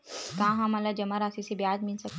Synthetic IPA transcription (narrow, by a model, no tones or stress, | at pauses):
kãɦãmɐlad͡ʒɐmaɾaːsisebjaːd̪milsɐk̪̚